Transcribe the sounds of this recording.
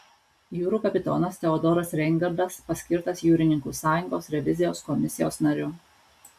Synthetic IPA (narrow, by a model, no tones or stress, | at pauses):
juːɾuːkɐpʲɪt̪ɔ̰nɐsʲt̪ʲɛɔd̪ɔɾɐsɾʲɛŋɡɐɾd̪ɐspɐsʲkʲɪɾt̪ɐsjuːɾʲɪnʲɪŋkuːsɑːjʊŋɡoːsɾʲɛʋʲɪzʲɪjoːskɔmʲɪsʲɪjoːsnɐɾʲʊ